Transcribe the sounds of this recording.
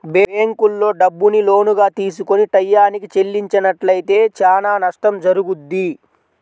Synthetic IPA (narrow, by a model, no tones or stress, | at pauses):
beːeːŋkulːo̞ːɖɐbːunilo̞ːnuɡaːt̪iːs̬ukoniʈɐjːaːnikit͡ʃe̞lːiɲt͡ʃɐnɐʈlɐjit̪e̞ːt͡ʃaːnaːnɐʂʈɐmd͡ʒɐɾuɡud̪ːi